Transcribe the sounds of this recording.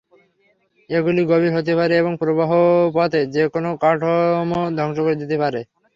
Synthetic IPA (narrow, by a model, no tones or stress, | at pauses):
eɡuliɡobiɾɦot̪̬epaɾeeβoŋpɾobaɦopɔt̪ed͡ʑekonokaʈʰomod̪ʱɔŋʃokoɾed̪et̪epaɾe